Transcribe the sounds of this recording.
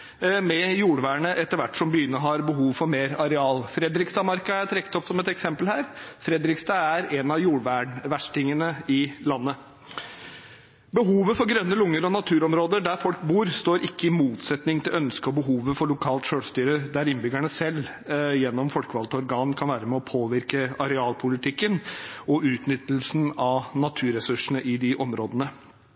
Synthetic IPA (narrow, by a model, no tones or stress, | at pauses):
mɛjuːɽʋæːɳəʔɛt̪ːəɾʋæʈːʂɔmbəʏnːəɦɑɾbəɦuːʋfɔɾmeːɾɑɾɛɑːlfɾɛd̪ɾɪkst̪ɑːmɑɾkɑæʈ̪ʰɾɛkːə̥t̪ɔpsɔmɛt̪ɛksɛmpəlhæːɾfɾɛd̪ɾɪkst̪ɑæɾɛnɑjuːɽʋæːɳʋæʂʈɪŋənəɪlɑnːə | bəɦuːʋəfɔɾɡɾœnːəlʊŋːəɾɔnɑt̪ʰʉːɾɔmɾoːd̪əɖæɾfɔlkbuːɾst̪oːɾʔɪkːəɪmuːt̪sɛt̪nɪŋt̪ʰɪlœnskəɔbəɦuːʋəfɔɭʊkʰɑːlt̪ʂøːɽst̪yːɾəd̪æɾɪnbʏɡæɳəsɛlː | jɛnːɔmfɔlkəʋɑlt̪ɔɾɡɑːnkʰɑnʋæːɾəmɛɔpʰoːʋɪɾkəɑɾɛɑːlpʰʊlɪt̪ʰɪkːənɔʔʉːt̪nʏt̪ːəlsnɑʋnɑt̪ʰʉːɾɛsʉʂɳ̩əʔɪd̪ɪʔɔmɾoːd̪ənə